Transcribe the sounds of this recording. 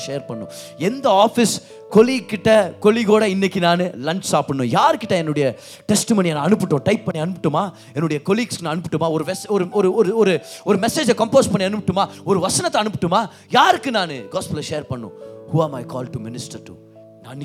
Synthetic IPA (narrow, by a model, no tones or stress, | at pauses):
ʃeːɐɾpɐɳːʊ̃ | ɛnd̪ɐaːfɪs | kɔlikːɪʈːɐkɔliɣoːɽɐɪnːɛkʲːinaːnɯlɐɲt͡ʃsaːpɪɳːʊ̃ːjaːɾɯkːɪʈːɐɛnːɯɽɐjɐ | ʈɛsʈɪmoːnijɐnãːɐnɯpːɯʈːõːʈɐɪpːɐɳːiɐnɯpːɪʈːɯmaː | ɛnːɯɽɐjɐkɔliːɡsknãːɐnɯpːɪʈːɯmaːɔɾɯʋɛsɔɾɯɔɾɯɔɾɯɔɾɯɔɾɯmɛseːd͡ʒɐkɐmpoːspɐɳːiɐnɯpːʈːɯmaːɔɾɯʋɐsɐnɐt̪ːɐ̃ɐnɯpːɯ̥ʈːɯmaː | jaːɾɯkːɯnaːnɯɡaːspɐlɐʃeːɐɾpɐɳːʊ̰̃ːhuːɐmɐɪkɔːlʈumɪnɪsʈɐɾʈṵ | naːn